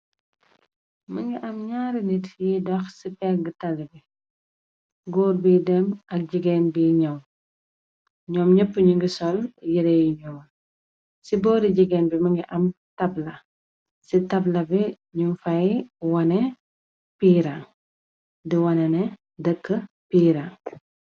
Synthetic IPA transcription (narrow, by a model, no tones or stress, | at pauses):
mɐŋɡiʔɐmɲaːɾinitjidɔxsipɛɡətɐlbi | ɡɔːrbidɛmɐk̚ɟiɡɛnbiɲɔm | ɲɔːmɲəpːəɲuŋɡisɔljiɾɛjiɲɔːm | sibɔːɾiɟiɡɛːnbimɐŋɡiʔɐm | tɐblɐ | sitɐblɐbi | ɲufɐjwɐnɛ | piːɾaŋ | diwɐnɛnɛ | dəkːə | piːɾaŋ